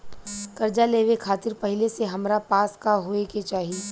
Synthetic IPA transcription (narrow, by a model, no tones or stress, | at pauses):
kɐɾd͡ʒaleːʋekʰaːt̪ɪɾpɐɦɪleseɦɐmɾapaːskaɦoːeket͡ʃaːɦieː